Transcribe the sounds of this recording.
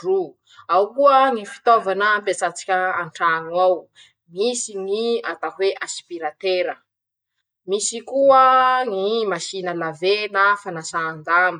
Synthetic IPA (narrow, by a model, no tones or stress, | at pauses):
ru | awkuəŋifi̥t̪ovanəːmpet͡sat͡si̥kʲəaɳʈ͡ʂanwaw | misiŋiat̪aɦweʔaspiɾat̪eɾə | misikuəŋimaʃinəlavenafanasaːnd̪ami